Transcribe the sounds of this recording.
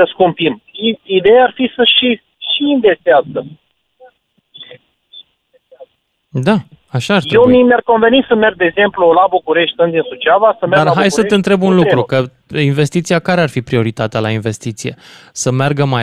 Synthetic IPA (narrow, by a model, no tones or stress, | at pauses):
əskumpimiid̪e̞jaarfisəʃi | ʃiːnvest̪eazə | d̪a | aʃaɾtj̪ɾewmimʲarko̞nve̞nisəme̞rɡ̚d̪eɡze̞mplulabukuɾe̞ʃt̪̚ʲsɨnd̪insut͡ʃavasəmed̪aaɦajsəɨnt̪ɾe̞bunlukɾukə | inve̞st̪it̪siakaɾearfipɾio̞ɾit̪at̪ealainve̞st̪it̪sije̞̰səmarɡəma